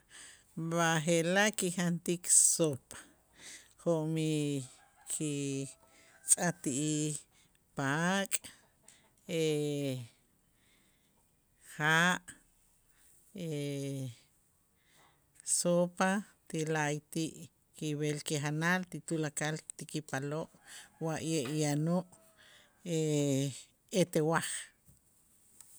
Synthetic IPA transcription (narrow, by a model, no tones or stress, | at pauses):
βaχelaʔkixant̪iksopḁ | χoʔmi | kʰi | t͡sʼat̪iʔi | pakʼ | e | χaːʔ | e | sopa | t̪ilajt̪iʔ | kiβelkiχanalt̪it̪ulakalt̪ikipaloʔwaʔjeʔjanoʔ | e | et̪ewaχ